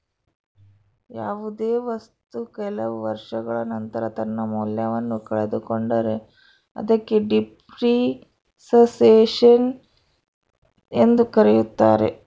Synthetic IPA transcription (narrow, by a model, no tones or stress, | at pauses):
jaːʋud̪eːʋɐst̪ukɛlɐʋuʋɐɾʂɐɡɐɭɐnɐnt̪ɐɾɐt̪ɐnːɐmuljɐʋɐnːukɐɭed̪ukoɳɖɐɾe̞ | ɐ̰d̪ɐkːe̞ɖip | ɾi | sɐseːʂɐn | e̞nd̪ukɐɾejut̪ːaːɾe̞̰